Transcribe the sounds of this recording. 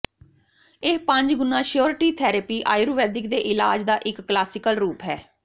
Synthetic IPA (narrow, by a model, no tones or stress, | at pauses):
epə̃ɲd͡ʒɡʊnːãːʃɪjoːɾʈiːt̪ʰɛːɾəpiːʔa̰ːjɾuːʋɛːd̪ɪkd̪eːʔɪlaːd͡ʒd̪aːʔɪkːlaːsɪkəlɾuːpɦɛː